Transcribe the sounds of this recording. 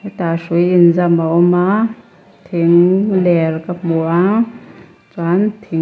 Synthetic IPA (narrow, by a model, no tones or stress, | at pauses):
t̪asujinzamawma | t̪ʰiŋlɛlkapmua | t͡swant̪ʰi